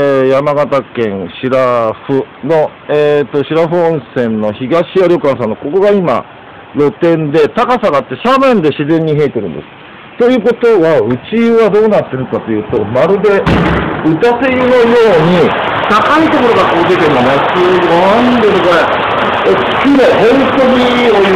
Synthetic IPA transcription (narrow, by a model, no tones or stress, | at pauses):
jamaɡat̪akẽ̞ɰɕiɾaɸɯ̟no̞ | et̪oɕiɾaɸɯ̟õɰ̃sẽ̞nnːo̞çiɡaɕiaɾʲo̞kãɰ̃s̬ãnːoko̞ko̞ɡaima̰ | ɾo̞t̪ẽ̞nd̪e̞t̪akasaɡaːt̪ːe̞ɕamẽ̞nd̪e̞ɕizẽ̞ɲ̟ːiɦe̞ːt̪e̞ɾɯ̟̃nd̪esɨ̥ | t̪o̞jɯ̟ːko̞t̪o̞βaɯ̟t͡ɕiɯβad̪o̞ːnat̪ːe̞ɾɯ̟kat̪o̞jɯ̟ːt̪o̞maɾɯ̟d̪e̞ɯ̟t̪asejɯno̞jo̞ːɲ̟it̪akait̪o̞ko̞ɾo̞ɡakoːd̪ek̪enonet̪ːejɯːoãnd̪eɾɯɡoe̥ | kʲiɾohõ̞nt̪o̞ɲ̟i | o